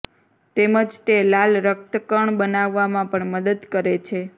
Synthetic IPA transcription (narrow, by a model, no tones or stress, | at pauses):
t̪eməd͡ʒt̪elalɾək̚t̪əkəɳbənaʋːamãpəɳməd̪əd̪kəɾet͡ʃʰe